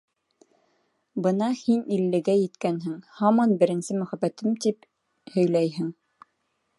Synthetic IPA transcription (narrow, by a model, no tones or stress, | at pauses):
bɤnɑhinilːɘ̆ɡæjɘ̆t̪kænɦɘŋhɑmɑnbɘ̆ɾɘ̆nsɘmɵ̆χæbːæt̪ɘmt̪ip | hɵ̆jlæjɦɘŋ